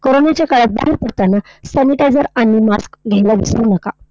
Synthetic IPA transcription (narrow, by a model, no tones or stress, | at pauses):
koɾonet͡ɕjakaɭəba̰ɦiɾpəɽt̪anːa | saniʈajd͡zəɾaɽ̃imaskɡʱelaʋḭsɾuːnaka